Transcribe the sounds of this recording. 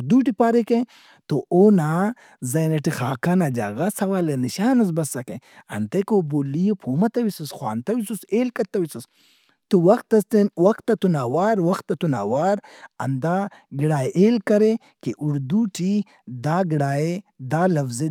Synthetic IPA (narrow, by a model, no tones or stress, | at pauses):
ɾd̪uʈipaːɾeke | t̪oʔoːna | zɐnɐʈixaːkanɐd͡ʒa̰ɣɐsɐwaːleniʃaːnɐs̬bɐsːɐkeɐ̰nt̪ɐkobolijepʰoːmɐt̪ɐwisusxwa̰ːnt̪ɐwisuseːlkɐt̪ːɐwisus | t̪uwɐxt̪ːɐst̪enwɐxt̪ːɐt̪unaːwaːɾwɐxt̪ːɐt̪una̰waːɾɐ̰nd̪a | ɡiɽaːeʔeːlkɐɾe | keʔuɽd̪uʈʰi | d̪aːɡiɽaːed̪aːlɐfze